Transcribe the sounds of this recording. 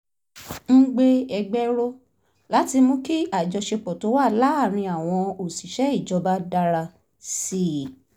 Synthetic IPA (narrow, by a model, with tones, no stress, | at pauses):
n̩˦ɡ͡be˦ɛ˧ɡ͡bɛ˦ɾo˦ | la˨˦ti˧mõ˧ki˦a˦˨d͡ʒɔ˧ʃe˧k͡pɔ˨to˨˦wa˦˨la˦a˦˨ɾ̃ĩ˧a˨w̃ɔ̃˧o˨si˨ʃɛ˨˦i˦˨d͡ʒɔ˧ba˦da˧ɾa˧ | si˨